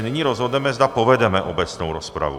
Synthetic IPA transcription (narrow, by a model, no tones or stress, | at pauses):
nɪɲiːɾozɦod̪nɛmɛzd̪apovɛdɛmɛʔobɛt͡snowɾospɾa̰vṵ